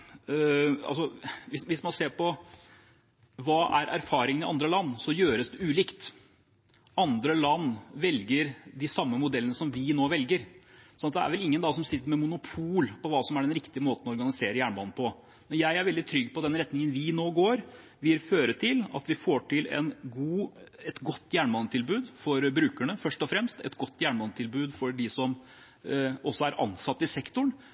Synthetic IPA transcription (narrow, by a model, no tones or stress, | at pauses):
ɑ̰lsɔʋɪsʋɪsmɑnseːɾpɔ | ʋɑːʔæ̰ɾʔæɾfɑːɾɪŋənɪʔɑnd̪ɾəlɑnːsɔjøːɾəsd̪ɛʉːlɪkt̪ | ɑnd̪ɾəlɑnːʋɛlɡəɾd̪ɪsɑmːəmʊd̪ɛlənəsɔmʋɪnoːʋɛlɡəɾsɔnɑt̪̚d̪ɛæ̰ɾʋɛlɪŋːənd̪ɑːsɔmsɪt̪ːəɾmɛmʊnʊpʰuːlpɔʋɑːsɔmæɖɛnɾɪkt̪ɪəmoːt̪əɔɔɾɡɑnɪseːɾəjæːɳbɑnnəpʰɔ | mɛnjæɪæɾʋɛld̪ɪt̪ʰɾʏɡːpɔd̪ɛnɾɛt̪nɪŋənʋɪnoːɡoːɾ | ʋɪlføːɾət̪ʰɪlɑ̰t̪ʋɪfoːʈʰɪlɛ̰nɡuːɛt̪ɡɔt̪ːjæːɳmɑnət̪ʰɪlbʉːd̪fɔɾbɾʉːkæɳəfœʂʈɔfɾɛmst̪ɛ̰t̪ɡɔt̪ːjæːɳmɑnət̪ʰɪlbʉːd̪fɔɾɖɪsɔm | ɔsːɔæɾʔɑ̰nsɑt̪ːɪsɛkt̪ʊɳ